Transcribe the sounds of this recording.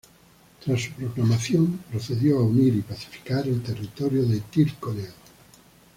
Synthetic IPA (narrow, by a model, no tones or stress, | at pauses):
t̪ɾasːupɾoklamaθjompɾoθeðjoauniɾipaθi̥fi̥kaɾelt̪erit̪oɾjoðet̪ilkolea